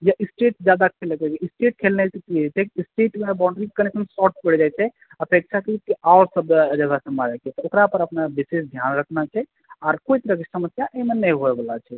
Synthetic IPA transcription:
jaʔisʈeʈd͡ʒjad̪akʰelekət͡ʃeisʈeʈ̚kʰelnet̪ət̪it͡ʃʰɛkiisʈeʈmebaʊɳɖɾikənekʰənsɔʈ̚pəɽd͡ʒajt͡ʃʰɛ | əpek̚t͡ʃʰakəikeawɾsəbd͡ʒəɡasə̃maɾɛkɛt̪ɔokɾapəɾəpnabisesd̪ʱjanɾəkʰnat͡ʃʰɛ | ɔːɾkoit̪əɾəkesəməsjaʔemenəjɦoɛbəlat͡ʃʰɛ

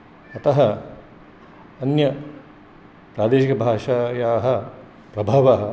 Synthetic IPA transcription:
ɐt̪ɐɦɐ | ɐnjɐ | pɾaːd̪eːʃikɐbʱaːʂaːjaːɦɐ | pɾɐbʱaːʋaːɦɐ

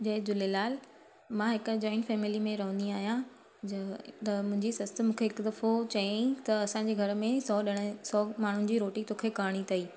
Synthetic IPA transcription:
d͡ʑɐɦed͡ʑʊlelaːl | mãɦɪkd͡ʑɔːɪ̃nʈfɛːmɪlimẽɾɐɦə̃nd̪iaːɦijã | t̪ɐmʊ̃ɦɪ̃ɲd͡ʑisɐst̪ə̆mũːkʰeɦɪkd̪ɐfot͡ɕɐĩt̪ɐɐsãɲd͡ʑeːɡʱɐɾmẽsɔːɗɪɽ̃sɔːmaːɳ̤ʊnɪ̆d͡ʑiːɾoːʈit̪oːkʰekaːɽ̃it̪ʰɐiː

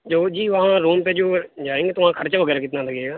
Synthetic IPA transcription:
d͡ʒoːd͡ʒiːʋəɦãːɾuːmpeːd͡ʒoːd͡ʒaːẽːŋɡeːt̪ʊãːkʰəɾt͡ʃaʋəɡɛːɾaːkɪt̪naːləɡeːɡaː

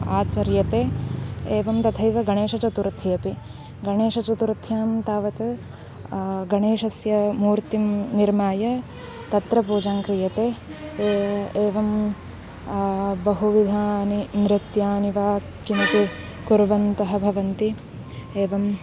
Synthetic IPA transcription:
aːt͡ʃɐɾjɐt̪eːeːʋɐmt̪ɐt̪ʰɐjʋɐɡɐɳeːʃɐt͡ʃɐt̪uɾt̪ʰijɐpi | ɡɐɳeːʃɐt͡ʃɐt̪uɾt̪ʰjaːmt̪aːʋɐt̪ɐ | ɡɐɳeːʃɐsjɐmuːɾt̪imniɾmaːjɐ | t̪ɐt̪ɾɐpuːd͡ʒaːŋkɾijɐt̪eː | eːʋɐm | bɐɦuʋid̪ʱaːninɾɪt̪jaːniʋaːkːinɐt̪i | kuɾʋɐnt̪ɐɦɐbʱɐʋɐnt̪i | eːʋɐm

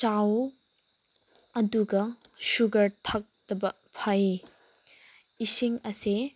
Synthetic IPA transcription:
t͡ʃaw | ɐduɡɐʃuɡɐɾtʰak̚dɐbɐ | pʰɐj | isiŋɐse

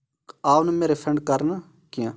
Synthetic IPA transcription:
aːnəmeːɾepʰəɳɖkəɾna | kɪjãː

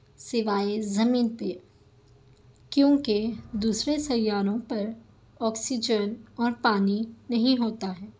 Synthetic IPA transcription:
sɪʋaːezɐmiːnpe | kjõːked̪uːsɾesɐjːaːɾõpɐɾ | ɔːksid͡ʒənɔːɾpaːninɐɦĩɦoːt̪aɦɛː

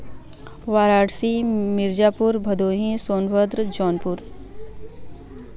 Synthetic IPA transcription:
ʋaːɾaːɽsimɪɾd͡ʒaːpʊɾbʱɐd̪oːɦĩsoːnʋəd̪ɾd͡ʒɔːnpʊɾ

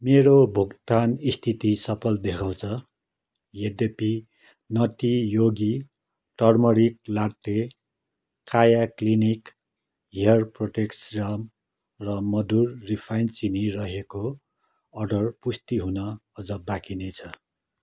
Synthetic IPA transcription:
meɾobʱuɡt̪anist̪ʰit̪isʌpʰʌld̪ekʰãw̃t͡sʰʌ | jed̪epi | nʌt̪ijoɡi | ʈʌrmʌɾik̚laɽt̪e | kajaklinik | ɦiʌrproʈeksram | rʌmʌd̪urːipʰajnt͡sinirʌɦeko | ʌrɖʌrpust̪iɦunʌʌd͡zʌbakinet͡sʰʌ

